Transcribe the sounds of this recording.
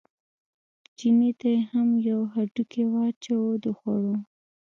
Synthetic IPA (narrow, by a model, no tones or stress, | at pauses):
d͡ʒinet̪ajehamjawɦaʈukewɑt͡ʃawod̪əxaɽo